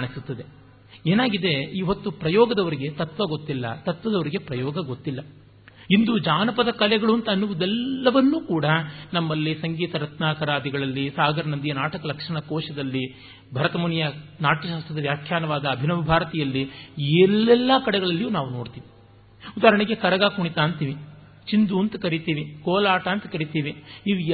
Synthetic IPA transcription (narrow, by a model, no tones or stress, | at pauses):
kaːɳisut̪ːɐd̪e̞ | eːnaːɡid̪e̞iʋot̪ːupɾɐjɔːɡɐd̪ɐʋɐɾiɡe̞t̪ɐt̪ʋɐɡot̪ːilːɐ̰t̪ɐt̪ʋɐd̪ɐʋɐɾiɡe̞pɾɐjɔːɡɐɡot̪ːilːɐ | ind̪ud͡ʒaːnɐpɐd̪ɐkɐlɛɡɐɭuɐnt̪ɐːnːuʋud̪ɛlːɐʋɐnːuːkuːɽɐnɐmːɐlːisɐŋɡiːt̪ɐɾɐt̪naːkɐɾaːd̪iɡɐɭɐlːisaːɡɐɾɐnɐnd̪ijɐnaːʈɐkɐlɐkʂɐɳɐkɔːʃɐd̪ɐlːi | bʱɐɾɐt̪ɐmuɳjɐnaːʈiʃaːst̪ɾɐd̪ɐʋjaːkʰjaːnɐʋaːd̪ɐːbʱinɐmɐbʱaːɾɐt̪ɛjɐlːiɛlːɛlːɐkɐɽɛɡɐɭɐlːijuːnaːʋunoːɽt̪iːʋi | ud̪aːɾɐɳiɡe̞kɐɾɐɡaːkuɳit̪aːnt̪iːʋi | t͡ʃind̪uɐnt̪ɐkɐɾit̪iːʋikɔːlaːʈaːnt̪ɐkɐɾit̪iːʋiiʋi